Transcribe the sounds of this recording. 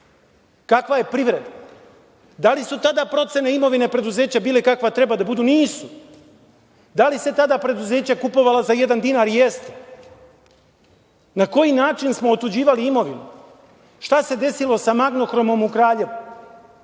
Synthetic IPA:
kakʋaje̞pɾiʋɾe̞d̪a | d̪alisut̪ad̪apɾo̞t̪se̞neimo̞ʋinepɾe̞d̪uze̞ːt͡ɕabiːlekakʋat̪ɾe̞bad̪abud̪uniːsu | d̪alise̞t̪ad̪apɾe̞d̪uze̞ːt͡ɕakupo̞ʋalazaje̞d̪and̪inaɾje̞st̪e | nako̞jinaːt͡ʃinsmo̞ot̪ud͡ʑiːʋaliimo̞ʋinu | ʃt̪ase̞d̪e̞silˠo̞samaɡno̞xɾo̞mo̞mukɾaːʎe̞ʋu

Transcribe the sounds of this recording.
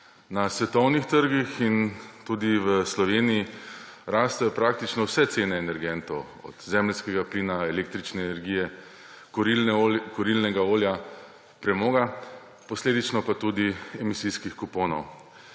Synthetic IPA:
nasʋɛt̪ɔwnixt̪əɾɡixint̪uːd̪iʋəslɔʋeːnijiɾaːst̪ɛjɔpɾaːk̚t̪it͡ʃnɔwsɛt̪seːnɛːnɛɾɡɛnt̪ɔw | ɔ̰d̪̥zɛmlskɛɡapliːnaɛleːk̚t̪ɾit͡ʃnɛːnɛɾɡiːjɛ | kɔɾilnɛɡaoːlja | pɾɛmɔːɡa | pɔsleːd̪it͡ʃnɔpat̪ud̪iɛmisiskixkupoːnɔw

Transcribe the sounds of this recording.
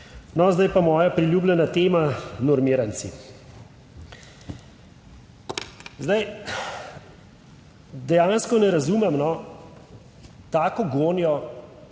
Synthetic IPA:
nɔzd̪ajpamɔːjapɾilʲjuːblʲɛnat̪eːmanɔɾmiːɾansḭ | zd̪aj | d̪ɛjaːnskɔnɛɾazuːmɛmnɔ | t̪aːkɔɡoːnjɔ

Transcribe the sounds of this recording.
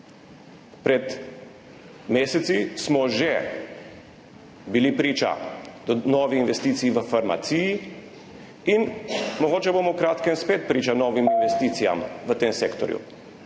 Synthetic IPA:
pɾɛt̪ | meːsɛt̪sismɔʒɛ | bilipɾiːt͡ʃa̰d̪nɔːʋiinʋɛst̪iːt̪sijiʋəfaɾma̰t̪siːji | inmɔɡoːt͡ʃɛbomɔwkɾaːt̪kɛmspeːt̪̚pɾiːt͡ʃanɔːʋiminʋɛst̪iːt̪sija̰mʋət̪eːmseːkt̪ɔ̰ɾjṵ

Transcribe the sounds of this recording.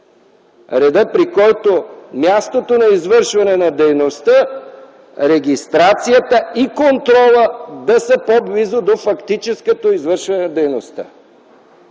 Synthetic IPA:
ɾɛd̪əpɾikɔjt̪omjast̪ot̪onɐizvəɾʃvɐnɛnɐd̪ɛjnost̪ə | ɾɛɡʲist̪ɾat̪sijət̪əikont̪ɾɔlˠəd̪ɐsəpoblizod̪ofɐkt̪it͡ʃɛskət̪oizvəɾʃvɐnɛnɐd̪ɛjnost̪ə̰

